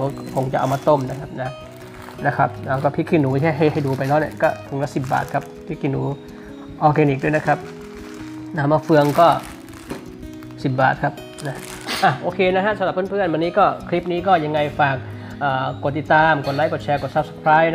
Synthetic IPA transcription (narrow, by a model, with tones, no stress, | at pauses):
uː˨˧˦kʰo˧ŋt͡ɕa̰˨˩ʔa̰˨˧wmaː˧t̪o˥˩mna˦˥˩kʰa˦˥p̚na˦˥ | na˦˥kʰa˦˥p̚naː˧˩kɔː˥˩pʰi˦˥kʰiː˧˩nːuː˩˦t̪ʰi˧˦˥ɦa˥˩jɦa˥˩jduː˧pa˧jlɔː˦˥˩ni˧˩kɔː˥˩tʰu˨˧˩ŋlɛː˦˥si˨˩p̚ba̰ː˨˩t̪̚kʰa˦˥p̚pʰːi˦˥kʰːiː˧˩nːuː˩˦ | ʔɔː˧kɛː˧nʔiː˨˩du˥˩˨na˦˥kʰa˦˥p̚ | na˦˧˥maː˧˥˩fɯ˧əŋkɔː˥˩ | si˨˩p̚ba̰ː˨˩t̪̚kʰa˦˥p̚ | na˦˥ | ʔa˧˩ʔoː˧kʰeː˧na˦˥kʰa˦˥sa˧˦la˨˩pʰɯː˥˨pʰɯ˥˩ənwa˧nːiː˦˥kɔː˥˩kʰli˦˥p̚niː˦˥kɔː˥˩ja˧ŋːa˧jfaː˨˩k̚ | ʔaː˨˩˨t̪ːi˨˩t̪ːaː˧mko˨˩t̪̚la˦˥ko˨˩t̪̚t͡ɕʰɛː˧ko˨˩t̪̚sa˦p̚sa˧˩kʰɾaː˦˥jna˦